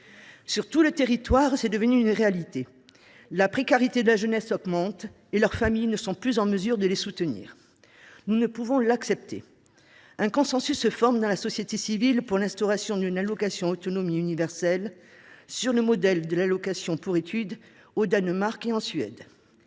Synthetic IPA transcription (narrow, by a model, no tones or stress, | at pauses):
syʁt̪ulət̪eʁit̪waʁsɛd̪əvənyːnʁealit̪e | lapχekaʁit̪ed̪əlaʒənɛsɔɡmɑ̃t̪ | elœʁfamijnəsɔ̃plyzɑ̃məzyʁd̪əlesut̪ənḭːʁ | nunəpuvɔ̃laksɛp̚t̪ḛ | ɛ̃kɔ̃sɑ̃sysːəfɔʁmd̪ɑ̃lasɔsjet̪esivilpuʁlɛ̃st̪ɔʁasjɔ̃d̪ynalɔkasjɔ̃ot̪ɔnɔmiynivɛʁsɛl | syʁləmɔd̪ɛld̪əlalɔkasjɔ̃puʁet̪yd̪ | od̪anmaʁkeɑ̃sɥɛ̰d̪